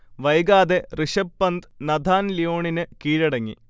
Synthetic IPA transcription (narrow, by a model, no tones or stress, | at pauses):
ʋɐjɡaːd̪eriʂɐpːɐnd̪nɐd̪ʱaːnlijoːɳinɨkiːɻɐɽɐŋːḭ